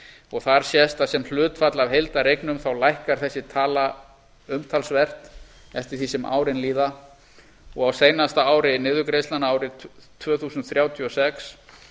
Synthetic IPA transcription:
ɔɣθaɾ̥sjɛst̪asɛml̥ʏːt̪fat̪lavɦejlt̪aɾejknʏmθawlajhkaɾ̥θɛsːɪt̪ʰaːla | ʏmt̪ʰalsvɛr̥t̪ | ɛft̪ɪɾ̥θiːsɪmʔa̰ːwɾɪnliːða | ɔɣawseːjnast̪aaːwɾɪnɪːðʏkɾejst̪lanaaːwɾɪt̪ʰvœːθuːsʏnt̪θɾjaːwt̪ʰiɔsɛks

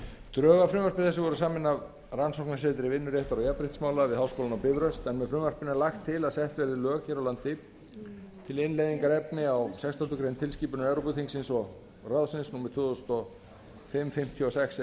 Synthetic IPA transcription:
t̪ɾœːɣafɾʏːmœɾ̥pɪθɛsːɪvɔɾʏs̬aːmɪnːav | ransɔwknaseːt̪ɪɾɪvɪnːʏɾjɛht̪aɾawjapɾɪht̪smaːwlavɪðhawskowlanawpɪvɾœst̪ɛnmɛðfɾʏːmvar̥pɪnalaxt̪ʰːɪlaðsɛht̪vɛɾðɪlœːɣçɛɾawlant̪ɪ | t̪ʰɪlɪnlejðiŋkaɾɛpnɪawsɛkst̪ʰḁt̪ʏkɾejnt̪ʰɪlsciːpʏnʏmɛvɾɔpʏðhiŋsɪnsɔɣ | raðsɪnsnuːmɛɾ̥t̪ʰʏːʏst̪ɔ | fɪmfɪm̥t̪ʰjɔsɛxs

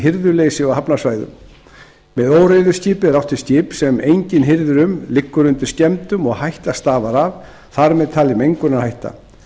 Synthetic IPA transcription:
ɦɪɾðʏleːjsɪɔɦapnasvaːjðʏ̰m | mɛðoːwrejðʏscɪːpɪɾawht̪ɪ̥scɪːpsɛmejɲcɪnɦɪɾðʏɾʏmlɪkːʏɾʏnt̪ɪ̥scɛmt̪ʏmɔɣhajht̪ast̪aːvaɾav | θaɾmɛðt̪ʰaːlɪmejŋkʏnaðhajht̪a̰

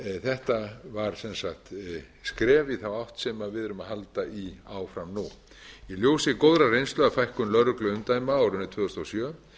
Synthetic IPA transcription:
θɛht̪avaɾ̥sɛnsaht̪ | skɾɛːvɪθawawht̪sɛmavɪðʏɾʏmahalt̪aiawfɾamnu | iljowsɪkowðɾarejnslœðafajhkʏnlœɾʏklʏʏmt̪aːjmaawɾʏnːʏt̪ʰvʏːðʏst̪osjœː

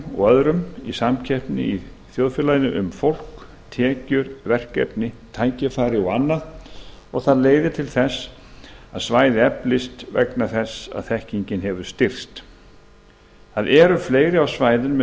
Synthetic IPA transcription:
ɔ̰ɣœðɾʏmisamcʰɛhpnɪ̰i | θjowðfjɛlajnɪʔʏmfowl̥k | t̪ʰɛːcʏɾvɛr̥kɛ̰pnɪt̪ʰaːjcɪfaːɾɪɔɣanːað | ɔɣθaðleːjðɪt̪ʰɪlθɛs | aðsvaːjðɪɛplɪst̪vɛ̰knaθɛsa̰ðθɛhciɲcɪnɦɛvʏɾ̥st̪ɪr̥st̪ | θaðɛːɾʏfleːjɾɪawsvaːjðʏnm

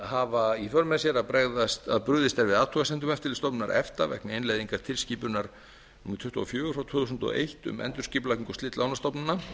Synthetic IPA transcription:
havaifœɾmɛðsjɛɾaðpɾɛɣðast̪a̰ðpɾʏːðɪst̪ɛɾvɪðaːðt̪ʰuɣasɛnt̪ʏmɛft̪ɪlst̪ɔwpnnaɾʔɛ̰ft̪avɛ̰knɪejnlejðiŋkaɾ̥t̪ʰɪlsciːpʏnaɾ̥ | t̪ʰʏht̪uɔfjœːɣʏfawt̪ʰuːθusʏnt̪ɔ̰ʔḛjht̪ʏ̰mʔɛ̰nt̪ʏ̥ɾsciːpʏlakniŋkɔst̪lɪːt̪lawnast̪ɔpnɪnːa

